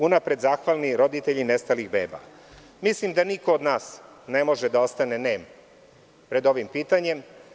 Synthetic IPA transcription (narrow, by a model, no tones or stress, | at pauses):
unapɾe̞d̪zaːxʋaːlˠniɾo̞d̪it̪e̞ʎine̞st̪aliɣbḛːba̰ | mislimd̪aniko̞od̪naːs | ne̞mo̞ʒed̪ao̞st̪ane̞neːm | pɾe̞d̪o̞ʋimpiːt̪aɲe̞m